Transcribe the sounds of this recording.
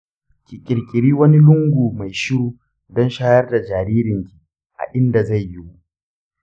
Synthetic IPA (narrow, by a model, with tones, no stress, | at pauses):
kʲi˨kʲʼɪ˨ɾkʲʼɪ˨ɽiː˦wɐ˦ni˦lʊ˦ŋɡʷuː˨ma˨jʃɪ˦ɾuː˦ | dɔ˦nʃaː˦jɐ˦rda˨d͡ʒaː˨ɾiː˦ɾɪ˨ŋkʲi̥˨ | ʔa̰˨ʔɪ˦nda˨za˦˨jːi˦wu˦ʔ